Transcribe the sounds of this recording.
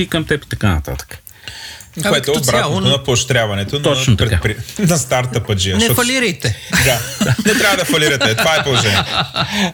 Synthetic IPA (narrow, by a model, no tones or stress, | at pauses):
ikɐmt̪ɛpi̥t̪ɐkanɐ̰t̪a̰t̪ə̥k | koɛt̪ɛobɾat̪not̪onɐpoʃt̪ɾʲjavɐnɛt̪ont̪ɔt͡ʃnot̪ɐɾɛkapɾinɐst̪aɾt̪ɐpɐd͡ʒinɔfɐlliɾɐjt̪ɛd̪aanɛt̪ɾavɐd̪ɐfɐliɾɐt̪ɛt̪ovaɛpolˠoʒɛni